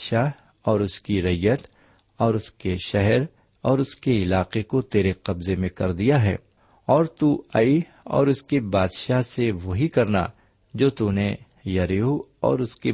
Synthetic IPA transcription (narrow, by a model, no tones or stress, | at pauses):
ʃaɦ | ɔːɾʊskiɾɐjːət̪ | ɔːɾʊskeʃɛɦɛɾ | ɔːɾʊskeɪlaːqekot̪eːɾeqɐbzemẽkɐɾd̪ijaɦɛ̰ː | ɔːɾt̪uːai | ɔ̰ːɾʊskebaːd̪ʃaɦseʋoɦikɐɾna̰ | d͡ʒoːt̪une | jɐɾiuɔ̰ːɾʊske